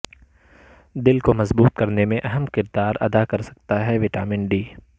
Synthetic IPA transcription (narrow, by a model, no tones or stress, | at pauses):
d̪ɪlkomɐzbuːt̪kɐɾnemẽʔɐɦəmkɪɾd̪aːɾɐ̰d̪akɐɾsɐ̥k̚t̪aɦɛʋɪʈa̰ːmɪ̃ɳɖiː